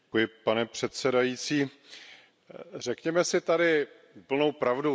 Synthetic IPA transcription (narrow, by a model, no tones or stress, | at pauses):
kujɪpanɛpr̝̥ɛt̪sɛdajit͡siː | r̝ɛkɲɛmɛsɪt̪adɪ | pl̩nowpɾavdu